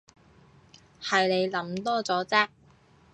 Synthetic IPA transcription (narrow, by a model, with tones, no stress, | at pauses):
hɐ˨jne˨˧jlɐ˨˥mt̪ɔː˥t͡sɔː˨˥t͡sɛː˥k̚